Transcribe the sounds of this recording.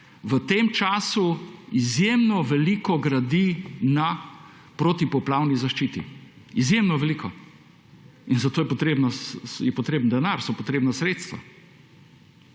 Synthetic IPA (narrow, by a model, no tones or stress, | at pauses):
ʋət̪eːmt͡ʃaːsuizjemnɔʋɛlikɔɡɾad̪ina | pɾot̪ipɔplaːwnizaʃt͡ʃiːt̪ḭ | izjemnɔʋɛlikʰɔ | inzat̪oːjɛpɔt̪ɾeːbnɔjɛpɔt̪ɾeːbənd̪ɛnaɾsɔpɔt̪ɾeːbnasɾet̪st̪ʋa̰